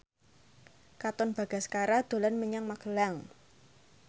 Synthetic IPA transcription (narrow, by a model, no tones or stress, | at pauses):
kat̪ɔnb̥a̤ɡ̥a̤skaɾad̪̥o̤lanməɲaŋmakəlaŋ